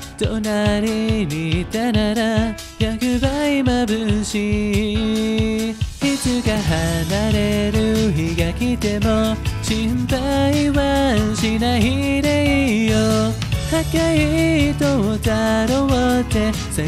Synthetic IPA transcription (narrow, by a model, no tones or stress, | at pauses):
t̪onaɾinit̪anaɾa | jaɡɯbaimabɯnɕi | hitɯɡaɦanaɾeɾɯɦiɡakit̪emʌt͡ɕʰiɯmbaiwanɕinaɦiɾeijo | hakjait̪ootaɾowʌt̪e | se